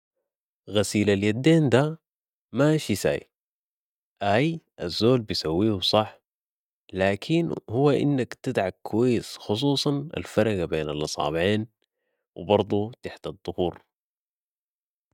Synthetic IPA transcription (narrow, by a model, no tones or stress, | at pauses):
ɣasiːlaljad̪ːeːnd̪a | maʃisa̰ːj | ʔaːjʔazːoːlbijsawːiːhusˤɑħ | laːkʰinhuwːaʔɪ̰nːakt̪ɪd̪ʕakːuwajːɪsxʊs̬ˤuːsˤɑna̰lfɑɾˤɑɡabeːnalʔɑsˤɑ̰ːbʕeːn | wɪ̰bɑɾˤd̪ˤut̪aħt̪ɑd̪ˤːʊhuːɾ